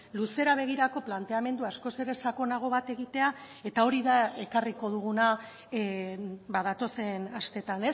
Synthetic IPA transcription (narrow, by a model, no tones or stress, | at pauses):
luse̞ɾaβ̞e̞ɣ̞iɾako̞plant̪e̞ame̞nd̪uasko̞se̞ɾe̞sako̞naɣ̞o̞βat̪e̞ɣ̞it̪e̞a | e̞t̪ao̞ɾiðae̞kariko̞ð̞uɣ̞una | baðat̪o̞se̞nast̪e̞t̪ane̞s